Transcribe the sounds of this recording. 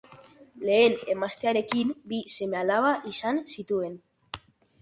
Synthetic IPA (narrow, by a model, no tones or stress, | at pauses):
le̞ene̞mast̪eaɾe̞kimbise̞mealaβaʔisansit̪ue̞n